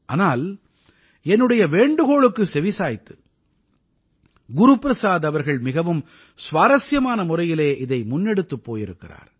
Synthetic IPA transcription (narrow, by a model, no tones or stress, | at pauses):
ʔaːnaːl | ɛnːɯɽɐjɐʋeːɳɖɯɣoːɭɯkːɯsɛʋɪsaːjɪt̪ːɯ̥ | ɡʊɾupɪɾɐsaːðɐʋɐɾɣɐɭmɪɣɐʋɯm | sʋaːɾɐsjɐmaːnɐmʊrɐjɪleːʔɪðɐɪmʊnːɛɽɯt̪ːɯpːoːjɪɾɯkːɪra̰ːɾ